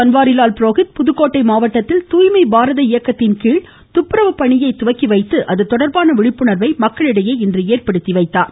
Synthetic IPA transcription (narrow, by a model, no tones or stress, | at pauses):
ɐnʋaːɾɪlaːlpɪɾoːɣɪʈ̪̚pʊðɯkːoːʈːɐɪmaːʋɐʈːɐt̪ːɪlt̪uːjmɐɪbaːɾɐðɐɪjɐkːɐt̪ːɪnkiːɭ | t̪ʊpːɪɾɐʋɐpɐɳɪjɐɪt̪ʊʋɐkːiʋɐɪt̪ːɯʔɐðɯt̪ːɔɽɐɾbaːnɐʋɪɻɪpːɯɳɐɾʋɐɪmɐkːɐɭɪɽɐjeːɪndrɯeːrpɐɽɯt̪ːiʋɐɪt̪ːaːɾ